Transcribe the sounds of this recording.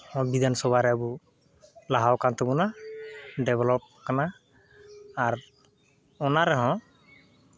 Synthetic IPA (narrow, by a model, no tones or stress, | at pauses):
hɔ̃bid̪ʱansɔbʱaɾɛabu | laɦawkant̪ɔbɔna | ɖɛbɛlɔp̚kana | ɾ | ɔnaɾɛɦɔ̃